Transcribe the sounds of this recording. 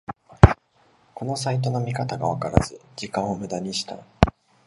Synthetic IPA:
ko̞no̞sait̪o̞no̞mʲikat̪aɡaβ̞akaɾa̰z̥ɨd͡ʑikãɰ̃o̞mɯ̟d̪aɲ̟iɕi̥t̪a̰

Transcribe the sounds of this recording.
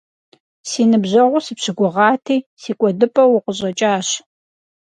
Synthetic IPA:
siːnɨbʑɐʁʷʊsɨpɕɪɡʷʊʁɑːtʰiːsiːkʷʼɔdɨpʼɐwʊqʷəɕʼɐt͡ʃʼaːɕ

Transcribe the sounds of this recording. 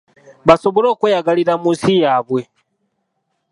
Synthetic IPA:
basɔbɔɾɔkujaɡaliɾamusijaβwɛ

